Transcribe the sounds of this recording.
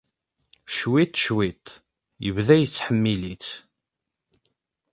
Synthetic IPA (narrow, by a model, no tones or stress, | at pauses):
ʃwit̪ːʃwit̪ | jəvðæjət͡sːħəmːilit͡s